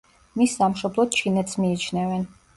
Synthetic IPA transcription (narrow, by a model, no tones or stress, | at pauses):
misːamʃɔblˠɔt̪̚t͡ʃʰinɛt̪smiːt͡ʃʰnɛvɛn